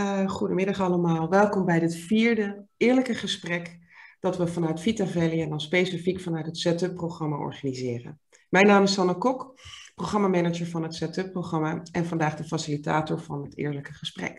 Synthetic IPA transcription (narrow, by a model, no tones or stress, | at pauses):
χudəmɪdɑχɑləmaːlˠʋɛlˠkɔmbɛjdɪtfiːɹdəɪːɹləkəχəsprɛk | d̥ɑtʋəvɑnœɥtfitavɛliɛndɑnspejsifikfɑnœɥtɦətsɛtɵpːrowχrɑmaʔɔ̰ɹχanizɪːrə̰n | mɛjnaːmɪsɑnəkɔkproχrɑmaːmɛnəd͡ʒəɹvɑnɦətsɛtɵpːrowχrɑmaʔɛnvɑndaːχdəfasilita̰ːtɔɹvɑ̰nɦətɪ̰ːɹləkəχəsprɛ̰k